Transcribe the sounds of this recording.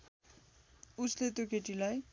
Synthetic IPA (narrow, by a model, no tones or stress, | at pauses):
uslet̪okeʈilaj